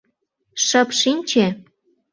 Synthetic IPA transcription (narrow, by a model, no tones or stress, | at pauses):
ʃə̆pʃinʲt͡ɕe